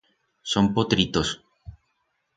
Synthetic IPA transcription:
sompot̪ɾit̪os

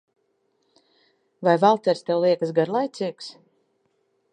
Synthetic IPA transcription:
vajvalˠt̪ʲɛɾst̪ɛwlˠiɛkasɡaɾlˠajt̪sʲiːks

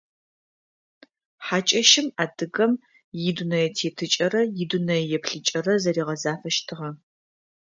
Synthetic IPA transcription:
ħaːt͡ʃʼɐʃɪmaːdɨɣɐm | jɪdunɐjɛtʰeːtʰɨt͡ʃʼɐɾɐjɪdunɐjɛpɬɨt͡ʃʼɐrɐzɐɾiːʁɐzaːfɐʃtʰɨʁɐ

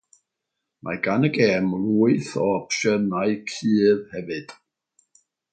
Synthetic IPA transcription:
mʔa̰ɡanəɡeːmluːɨθɔəpʃənaɨkʰɨːðhɛvɨd̥

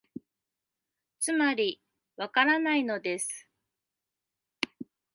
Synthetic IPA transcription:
t͡sɨmaɾʲi | βakaɾanaino̞d̪e̞sɨ̥

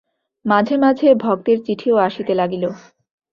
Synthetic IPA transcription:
mad͡ʑʱemad͡ʑʱebʱɔɡ̚t̪eɾt͡ɕiʈʰioaʃit̪elaɡilo

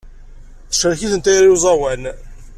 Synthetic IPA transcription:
θə̥ʃəɾçiθənt̪æjɾjuzˤɑwæn

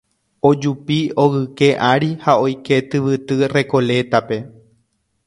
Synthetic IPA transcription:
o̞d͡ʒupio̞ɣɨke̞ʔaɾihao̞jke̞t̪ɨʋɨt̪ɨre̞ko̞le̞t̪ape̞

